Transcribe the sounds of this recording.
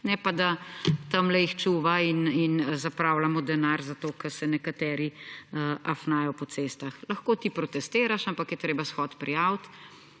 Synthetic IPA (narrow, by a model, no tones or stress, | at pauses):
nɛpad̪at̪ɐmlɛixt͡ʃuːʋaininzapɾawlamɔd̪ɛnaːɾzat̪oːkɛɾsɛnɛkat̪ɛːɾi | ʔafnaːjɔpɔseːst̪axlɐxkoːt̪ipɾɔt̪ɛst̪eːɾaʃampakjɛt̪ɾeːbasxɔt̪pɾijawt̪